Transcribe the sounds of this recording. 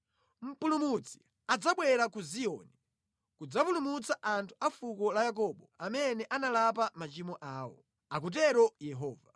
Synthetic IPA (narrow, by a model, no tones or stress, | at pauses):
m̩pulumut͡si̥ | ad͡zaɓwɛɾakuziɔ̰ːni | kud͡zapulumut͡saʔantʰu̥afukɔlajak̬ɔɓɔamɛnɛʔanalap̬amat͡ʃimɔʔaːwɔ̰ | ak̬ut̬ɛɾɔjɛɦɔːva